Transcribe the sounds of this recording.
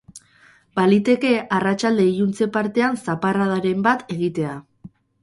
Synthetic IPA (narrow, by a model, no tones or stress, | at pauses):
balit̪e̞ke̞arat͡ʃald̪e̞ijunt͡se̞paɾt̪e̞ansaparað̞aɾe̞mbat̪e̞ɣ̞it̪e̞a